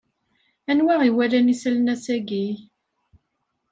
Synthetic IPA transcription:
ænwaʁiwælænisəlnæsæɡi

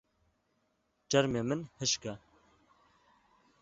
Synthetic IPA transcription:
d͡ʒɐɾmeːmɨnhɨʃkɛ

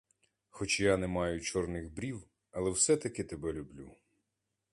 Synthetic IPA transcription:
xɔt͡ʃjanɛmɑjʊt͡ʃɔrnɪɣbɾʲiw | ɐlˠɛwsɛt̪ɐkɪt̪ebɛlʲʊblʲu

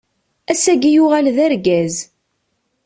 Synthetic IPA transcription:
æsæɡijʊʁælðæɾɡæz

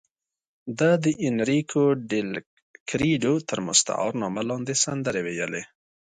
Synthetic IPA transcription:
d̪ad̪əʔɪnɾikʰoɖɪl | kɾiɖot̪əɾmʊ̰st̪a̰ʔɑ̰ɾnɑmalɑnd̪esand̪əɾewejəle

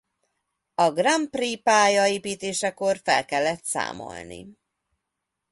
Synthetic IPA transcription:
ɒɡrampriːpaːjɒeːpiːt̪eːʃɛko̞rfɛ̰lkɛlːɛt̪sa̰ːmo̰lnḭ

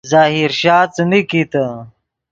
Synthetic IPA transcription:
zaːɦiɾɕaːt͡səmikit̪ə

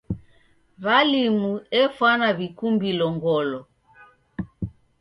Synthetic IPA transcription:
βalimuɛfwanaβikumbilɔŋɡɔlɔ

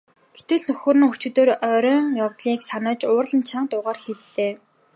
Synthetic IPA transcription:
ɡ̥et̪ɘ̆ɮnɵxɵ̆ːrĭnŋxɵt͡ɕŭt̪oːɾœɾʲœːŋjawt̪ɮiːksanə̆ːt͡ɕʊːrɮə̆nt͡ɕʰaɴt̪ʊːʁaːrxeɮːeː

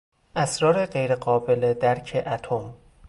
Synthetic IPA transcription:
ʔæsɾɒːɾeɢejɾeɢɒːbe̞led̪æɾcʰeʔæt̪ʰom

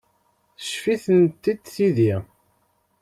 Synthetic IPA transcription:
θə̥ʃfiθənt̪ːid̪θiði

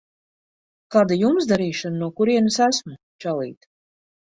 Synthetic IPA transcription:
kaːd̪ajumsd̪aɾiːʃananuɔkuɾiɛnasæsmu | t͡ʃalˠiːt̪

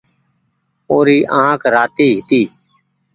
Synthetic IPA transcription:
oːɾiːʔãːkɾaːt̪iːɦɪt̪iː

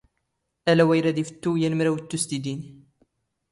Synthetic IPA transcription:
ʔælæwæjɾæd̪ifə̥t̪ːujænmɾæwət̪ːust̪id̪in

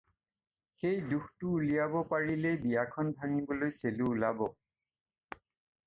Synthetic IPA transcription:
xejduxʰtʊːlijabɔpaɹilɛbijakʰɔnbʱaŋibɔlojseluːlabɔ

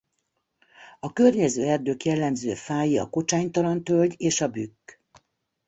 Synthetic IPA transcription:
ɒkørɲɛzøːɛrd̪øːkjɛlːɛmzø̰ːfaːjiɒ̰ko̞t͡ʃaːɲt̪ɒlɒnt̪ø̞lɟeːʃɒbykː

